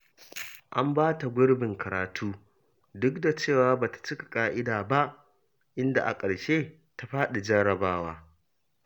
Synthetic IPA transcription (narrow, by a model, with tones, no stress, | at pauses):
ʔa˦mbaː˦ta˨ɡʷʊ˦ɽbɪ˨ŋkʰɐ˨ɾaː˨tʰuː˦ | dʊ˦kda˨t͡ʃeː˦˨waː˦baː˨tḁ˨t͡ʃɪ˦kḁ˨kʼaː˦ʔɪ˦daː˨ba˦ʔ | ʔɪ˦nda̰˨ʔa̰˨kʼɐ˨ɽʃeː˦ | ta˦ɸaː˦ɗa˨d͡ʒɐ˦ɽɐ˨baː˦waː˦